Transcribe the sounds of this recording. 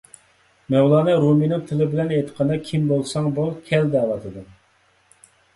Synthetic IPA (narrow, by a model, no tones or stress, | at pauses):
mɛwlˠɑːnɛɾuminɨŋt̪ʰɪlɪbɪlɛnet̪ʰə̥qʰɑnɑkʲʰimbolˠsɑŋbulˠkʲʰɛld̪ɛwɑt̪ʰɨd̪ɨ